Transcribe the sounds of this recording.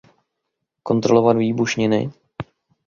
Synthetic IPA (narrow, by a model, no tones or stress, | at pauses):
ko̞nt̪ɾo̞lo̞vadviːbuʃɲɪnɪ̰